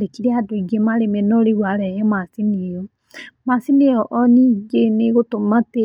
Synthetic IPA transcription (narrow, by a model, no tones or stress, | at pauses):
ɾekiɾeadoiɡemaɾemɛnɔɾeɣwaɾɛjɛmasinijɔ | masinejɔʔɔniɡeneɣotomate